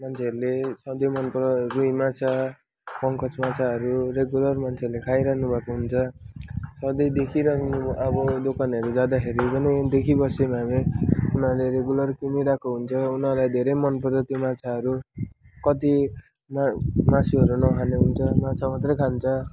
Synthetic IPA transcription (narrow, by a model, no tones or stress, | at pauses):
mant͡sʰeʌɾulesʌd̪ʌjmʌnpʌɾʌrujmat͡sʰʌ | pʌŋkʌt͡smat͡sʰaʌɾuɾeɡjulʌrmant͡sʰeʌɾulekʰajɾakʰnubʱakoɦunt͡sʰʌ | sʌd̪ʌjd̪ekʰiɾʌkʰnuʌbʌd̪okʰanʌɾud͡zad̪akʰeɾibʌnid̪ekʰibʌsemameunʌleɾeɡjulʌrkimiɾakoɦunt͡sʰʌunʌɾlajd̪ʱeɾʌjmʌnpʌɾtʌt̪jomat͡sʰaʌɾu | kʌt̪̬i | mmasiɦʌɾunʌɦʰaneɦunt͡sʰʌmat͡sʰamat̪rʌjkʰant͡sʰʌ